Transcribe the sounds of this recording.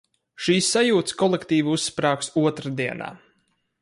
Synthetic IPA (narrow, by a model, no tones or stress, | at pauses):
ʃiːsːajuːt̪skɔlˠekt̪iːviusːpɾaːksuɔt̪ɾad̪iɛna̰ː